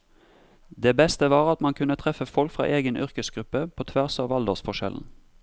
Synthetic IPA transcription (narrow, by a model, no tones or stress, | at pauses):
d̪eːbɛst̪əʋɑːʁɑt̪mɑnkʰʉnət̪ʰʁɛfəfɔlkfʁɑ̰ːʔeːɡənʔʏ̰ʁkəsɡʁʉpəpʰoːt̪ʰʋæʁsɑːʋɑld̪oːʁsfɔʃɛ̰ln̩